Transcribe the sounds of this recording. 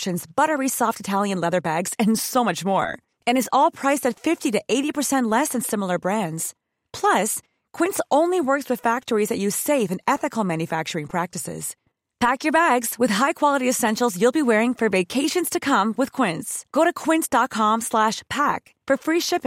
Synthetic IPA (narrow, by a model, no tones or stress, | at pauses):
ʃɨ̃nzbʌɾə˞isɔftɨtʰælˠjɨ̃nlɛðə˞bæɡz̥ɨ̃nsoʊmʌt͡ʃmɔ̰ɹ | ɨ̃ñɨzɔlˠpʰɹ̥aɪsɨtfɪftiɾɨʔeɪɾipə˞sɛ̃nʔlɛsɨ̃nsɪ̃ml̩ˠə˞bɹæ̃ndz̥ | pʰl̥ʌs | kʰw̥ɪ̃nsʔõʊ̃nliwɜ˞kswɨð̥fæk̚tə˞izðɨt͡ʃɨ̥seɪvɨ̃nɛθɨkl̩ˠmæ̃njɨfæk̚t͡ʃə˞ɪ̃ŋpʰɹ̥æk̚tɨsɪ̰z̥ | pʰækjə˞bæɡz̥wɨð̥ɦaɪkʰw̥ɑlˠəɾiɨsɛ̃nʃl̩ˠzjɨlˠbiwɛɹɪ̃ŋfə˞veɪkʰeɪʃɨ̃nz̥tʰɨkʰʌ̃mwɨð̥kʰw̥ɪ̃ntsɡ̥oʊɾɨkʰw̥ɪ̃ntsd̥ɑt̚kʰɑ̃mslæʃpʰæk | fə˞fɹiʃɪp